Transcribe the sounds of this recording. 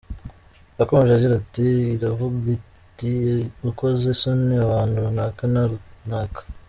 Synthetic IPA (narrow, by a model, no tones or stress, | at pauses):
akomeʒaɟiɾatiːɾavuɡi | tiukozesoniaβaːndunakanaɾunakḁ